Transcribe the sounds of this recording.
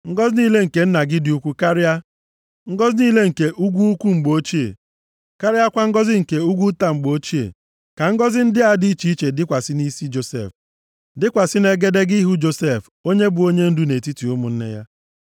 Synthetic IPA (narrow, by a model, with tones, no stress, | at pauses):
ŋ̩˦ɡɔ˦zniː˦le˦ŋ̩˨ke˨˦n̩˦na˨ɡɪ˦dɪ˨˦u˦kʷu˦ka˦ɾɪ˦a˦ | ŋ̩˦ɡɔ˦zniː˦le˦ŋ̩˨ke˨ʔu˦ɡʷu˦u˦kʷu˦ŋ͡m̩˨ɡ͡bo˦t͡ʃi˦ḛ˨ | ka˦ɾɪ˦a˦kʷa˦ŋ̩˦ɡɔ˦zɪ˦ŋ̩˨ke˨u˦ɡʷu˦ta˨ŋ͡m̩˨ɡ͡bo˨˦t͡ʃi˦ḛ˨ | ka˨ŋ̩˦ɡɔ˦zɪ˦n̩˦dɪ˦a˦di˦i˦t͡ʃi˨˦i˦t͡ʃe˨dɪ˦kʷa˨sɪ˦ni˦si˦d͡ʒo˨sḛ˨f | dɪ˦kʷa˨sɪ˦ne˨ɡe˦de˦ɡi˦ɦu˦d͡ʒo˦se˦˨f | o˦ɲe˦bʊ˨o˦ɲe˦n̩˦du˦ne˨ti˦ti˨ʊ˦mʊ˨n̩˦nḛ˦ja̰˦